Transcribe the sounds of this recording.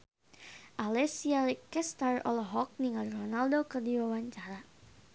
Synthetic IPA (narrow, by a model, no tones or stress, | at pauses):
ʔalɛsialikɛst̪arɔ̰lɔɦɔk̚niŋalronaldokərdiwawaɲt͡ʃaɾa